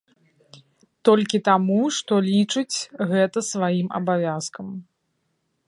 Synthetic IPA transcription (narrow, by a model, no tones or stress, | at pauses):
t̪ɔlʲkʲit̪amuʂt̪ɔlʲit͡ʂɨt͡sʲɣɛt̪ɐsvajimɐ̰bavʲaskɐm